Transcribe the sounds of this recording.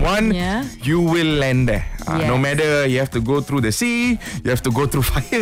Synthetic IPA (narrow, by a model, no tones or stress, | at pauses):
wãnjuwilːɛ̃nd̪ɛta̰nomɛtəjuhɛftuɡot̪ʰɾudəsijuhɛftuɡot̪ʰɾufaɪə